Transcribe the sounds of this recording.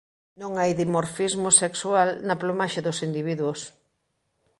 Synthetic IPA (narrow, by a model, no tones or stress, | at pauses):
nõŋajðimoɾfizmʊsekswalnɐplomaʃɐðʊsind̪iβiðwʊs